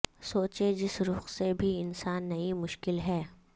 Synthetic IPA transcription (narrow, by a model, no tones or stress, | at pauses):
soːt͡ʃed͡ʒɪsɾʊːxsebʱiɪnsaːnːɐimʊʃkɪlɦɛː